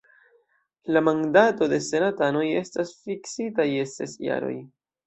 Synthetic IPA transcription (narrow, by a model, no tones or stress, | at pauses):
lamandato̞de̞se̞natano̞je̞stasfiksitaje̞se̞̰sja̰ɾo̞̰j